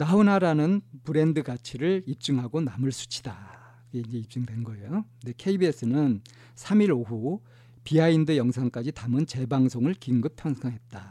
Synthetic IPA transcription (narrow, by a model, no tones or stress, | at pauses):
naunaɾanɯnpɯɾe̞ndɯɡat͡ɕʰiɾɯɭip̚t͡ɕ͈ɯŋɦaɡonamɯɭsʰu̥t͡ɕʰi̥da | ɡeind͡ʑe̞ip̚t͡ɕ͈ɯŋdwe̞nnɡʌejode̞kʰe̞ibies͈ɯnɯn | sʰamiɾoɦu | piaindɯjʌŋsʰaŋk͈ad͡ʑitamɯnt͡ɕe̞baŋsʰoŋɯɭkiŋɡɯpʰjʌŋsʰʌŋɦe̞t̚t͈a